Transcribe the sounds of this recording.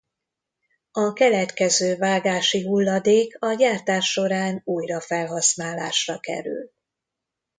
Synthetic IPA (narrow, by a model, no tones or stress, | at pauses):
ɒkɛlɛt̪kɛzøːvaːɡaːʃiɦulːɒd̪eːkɒɟaːrt̪aːʃːo̞ɾaːnuːjrɒfɛlɦɒsnaːla̰ːʃrɒkɛ̰ɾy̰l